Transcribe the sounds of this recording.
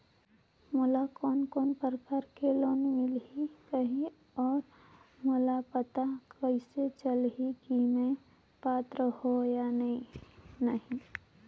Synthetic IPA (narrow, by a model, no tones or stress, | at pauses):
mʊlakɔːnkɔːnpəɾəkaːɾkeloːnmɪlɦikəɦĩ | ɔːɾ | mʊlapət̪akəɪset͡ʃəlɦikimẽ | paːt̪ɾəhojanəɦĩnəɦĩ